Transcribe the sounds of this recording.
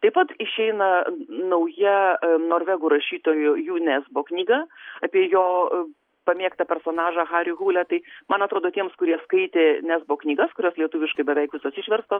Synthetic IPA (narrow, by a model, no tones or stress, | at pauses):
t̪ɐɪpɐt̪ɪʃʲɛɪnɐnɐʊjɛnoːɾʲʋʲɛɡʊɾɐʃʲiːt̪oːjʊjuːnʲæːzboːknʲiːɡɐːɐpʲiɛjoː | pɐmʲiɛkt̪ɐpʲɛɾsoːnɑːʒɑːxɑːɾʲɪɣuːlʲɛt̪ɐɪmɐnɐt̪ɾoːd̪oːt̪ʲiɛmskʊɾʲiɛskɐɪt̪ʲeːnʲæːzboːknʲiːɡɐskʊɾʲoːslʲiɛt̪uːʋʲɪʃkɐɪbʲɛʋʲɛɪkʋʲɪsoːsʲɪʃʲʋʲɛɾst̪oː